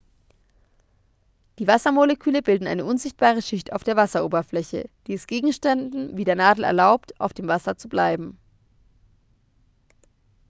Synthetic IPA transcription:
d̥iːvasɐmoləkʰyːləbɪldn̩ʔa̰ɪnəʔʊnzɪçt̚b̥aːʁ̞əʃɪçta̰ʊfd̥eːɐvasɐʔoːbɐflɛçə̰d̥iːɛsɡ̥eːɡŋ̩ʃtɛndn̩viːdeːɐnaːdl̩ɛ̰ɐlaʊptʰʔa̰ʊfd̥eːmvasɐt͡sublaɪbm̩

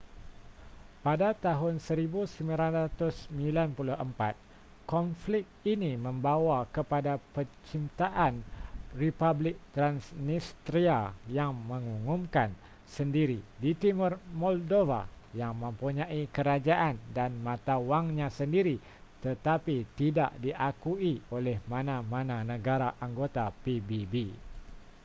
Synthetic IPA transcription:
padat̪aɦʊnsəɾibusəmilanɾat̪ʊsəmĩlanpulʊhəmpat̪̚ | kɔnflɪk̚inimə̃mbawakəpadapət͡ʃint̪aʔanripablɪk̚t̪ɾansnist̪ɾiajaŋmə̃ŋuŋumkan | səndiɾidit̪imərmɔldova̰ | jaŋmə̃mpuɲãʔikəɾad͡ʒaʔandanmãt̪awaŋɲãsəndiɾi | t̪ət̪apit̪ida̰ʔdiʔakuiolɛhmãnãmãnãnə̃ɡaɾaʔaŋɡot̪apibibi

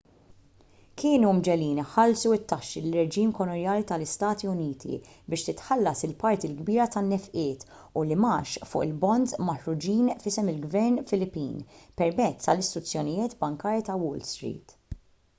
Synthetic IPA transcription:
kʰɪːnumd͡ʒɛliːnħɐlsuɪt̪ːɐʃːilɪrɛd͡ʒiːmkɔnɔnjɐːlit̪ɐlɪst̪ɐːt̪iʊniːt̪ʰḭ | bɪːʃt̪ɪt̪ħɐlːɐsɪlpɐɾt̪ilɡbiːɾɐt̪ɐnːɛfʔɪːt̪ | ʊlɪmɐːʃfʊ̰ːʔɪlbɔnd̪zmɐħɾʊd͡ʒiːnfɪsɛmɪlɡvɛɾnfɪlɪpːḭːnpɛɾmɛtt͡sːt̪ɐlɪst̪ɾʊt͡sːjɔnɪjɪːt̪bɐŋkɐːɾjit̪ɐwɔːlst̪ɾḭːt̪

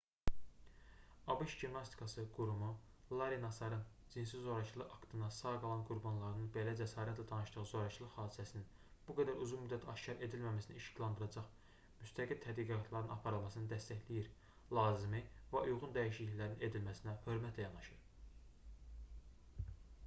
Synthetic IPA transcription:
ɑbɯʃʒimnɑst̪ʰi̥kʰɑsɯɡ̥uɾumu | lˠɑɾinɑsɑɾɯn | d͡ʒins̬izo̞ɾɑt͡ʃʰɯlˠɯʔɑkt̪ʰɯnɑsɑːɡɑlˠɑnɡuɾbɑnlˠɑɾɯnɯnbe̞læd͡ʒæsɑːɾæt̪læd̪ɑnɯʃt̪ɯʁɯzo̞ɾɑt͡ʃʰlˠɯχhɑːd̪isæsinin | b̥uɡæd̪æɾuzunmyd̪ːæt̪ʰɑʃcɑɾe̞d̪ilmæmæsiniʃi̥clˠɑnd̪ɯɾɑd͡ʒɑχ | myst̪ʰæɡilt̪ʰæd̪ɡiɡɑt̪ʰlˠɑɾɯnɑpʰɑɾɯlˠmɑsɯnɯd̪æst̪æçlijiɾ | lˠɑːzimivæʔujʁund̪æjiʃliçlæɾnine̞d̪ilmæsinæhø̞ɾmæt̪ʰlæjɑnɑʃɯɾ

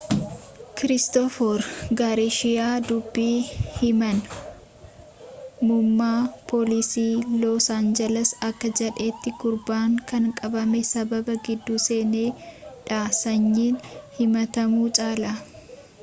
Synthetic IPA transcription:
kɪɾɪst̪ɔfɔɾɡaɾeʃɪjaːd̪ʊbːiːhɪmɐn | mʊmːaːpʰɔːlɪsiːlɔsaːnd͡ʒɛlɐsɐkːɐd͡ʒɛᶑe̞ːt̪ːɪɡʊɾbaːŋkɐŋkʼɐbɐmɛsɐbɐbɐɡɪd̪ːuːse̞ːneːᶑaːsɐɲːiːnhɪmɐt̪ɐmuːt͡ʃʼaːla

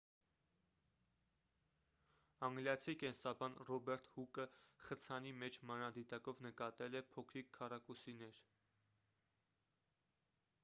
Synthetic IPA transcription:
ɑŋɡljɑt͡sʰikɛnsɑbɑnrɔbɛɾt̪ʰhukəχət͡sʰɑnimɛt͡ʃʰmɑnɑd̪it̪ɑkɔvnəkɑt̪ɛlɛpʰɔkʰɾikʰːɑrɑkusinɛɾ

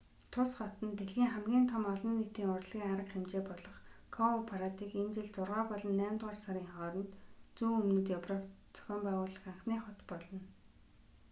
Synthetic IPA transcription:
t̪ʰʊsχɔt̪ə̆nt̪eɮɣiːŋχæmɡʲiːnt̪ʰɔmɔɮɞ̆nːet̪iːŋʊrɮɣʲiːŋaɾə̆qχemt͡ɕeːpɔɮɞ̆χkʰɔʊpʰaɾat̪iːkemt͡ɕɘ̆ɮt͡sʊrʁaːpɔɮɞ̆nːæːmt̪ʁaːrsaɾiːŋχɔːɾɞ̆nt̪t͡suːɵmnɘ̆t̪japrə̆k | t͡sʰœ̥xʲɔːmpæːʁʊːɮə̆χaɴχniːχʊt̪pɔɮɞ̆n

